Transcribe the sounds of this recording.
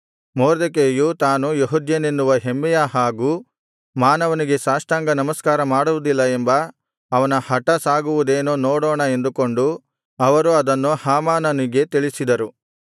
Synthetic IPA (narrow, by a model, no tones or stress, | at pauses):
moːɾd̪ek̬eːjut̪aːnujeɦud̪jɐnenːuʋɐɦemːɛjɐɦaːɡuː | maːnɐʋɐniɡe̞saːʂʈaːŋɡɐnɐmɐskaːɾɐmaːɽuʋud̪ilːɐembɐː | ʋɐnɐhɐʈɐsaːɡuʋud̪eːnoːnɔːɽɔːɳɐe̞nd̪uko̞ɳɖu | ɐʋɐɾuɐd̪ɐnːuhaːmaːnɐniɡe̞t̪iɭisid̪ɐɾu